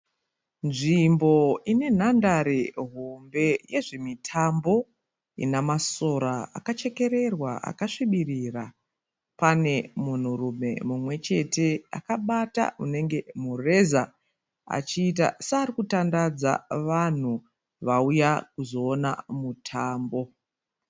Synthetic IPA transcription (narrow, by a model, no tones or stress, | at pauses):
nʐimbo̞ine̞n̤andaɾeɦo̞mbe̞je̞ʐe̞mitʰambo̞ | ḭnamaso̞ɾaa̰kat͡ʃe̞ke̞ɾe̞rwaʔa̰kaʂiɓirira | pane̞mun̤urume̞̰mumwe̞t͡ʃe̞te̞a̰kaɓata̰une̞ŋɡe̞mure̞za | a̰t͡ʃiːt̬a̰saaːɾikutandad͡za̰ʋan̤u | ʋaujakuzo̞ːna̰mutʰaːmbo̞